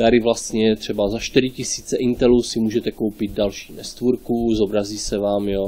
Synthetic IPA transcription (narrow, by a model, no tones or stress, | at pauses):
t̪aɾɪvlast̪ɲɛt̪r̝̥ɛbazaʃt̪iɾɪcɪsiːt͡sɛʔint̪ɛluːsɪmuːʒɛt̪ɛko̞wpɪd̪̚dalʃi̥ːnɛst̪vuɾkuzobɾaziːsɛvaːmjo